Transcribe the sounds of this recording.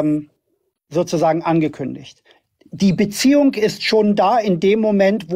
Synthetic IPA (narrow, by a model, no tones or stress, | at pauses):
m | zoːt͡suzaːɡŋ̩ʔanɡəkʰʏndɪ̰çt | d̥iːbət͡siːʊŋɪstʃoːndaːɪndeːmːomɛntv̥o